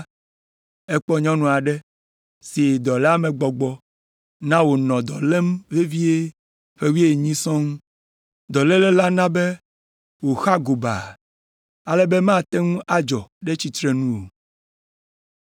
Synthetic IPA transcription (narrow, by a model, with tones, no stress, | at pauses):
ɛ˦k͡pɔ˦ɲɔ̃˦nũ˨a˨ɖɛ˦ | si˨d̪ɔ˨lɛ˦a˦mɛ̃˨ɡ͡bɔ˨ɡ͡bɔ˦ | nã˦wo˨nɔ̃˨d̪ɔ˨le˦mve˦vi˦e˦ | ɸe˦wi˦e˨ɲĩ˦sɔ̃˦ŋũ˦ | d̪ɔ˨lɛ˦lɛ˦la˦nã˦be˦ | wo˨xa˦ɡo˨ba̰˨ | a˦lɛ˦bɛ˦mã˦˨t̪ɛ˦ŋũ˦ʔa˦d͡ʒɔ˨ɖɛ˦t͡ɕi˦t̪ɾɛ˦nũ˦wo˨